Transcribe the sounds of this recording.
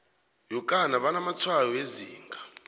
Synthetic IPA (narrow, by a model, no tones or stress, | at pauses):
jɔkʼanaβanamat͡sʰwajɔeziːŋɡʱa